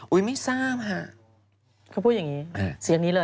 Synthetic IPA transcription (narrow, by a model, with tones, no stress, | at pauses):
ʔu˧˥jma˥˩jsaː˥˩mɦa˧˩ | kʰa˥pʰu˥˩ja˨˩ŋiː˦˥˧si˨˩˦ŋni˦˥lɤː˧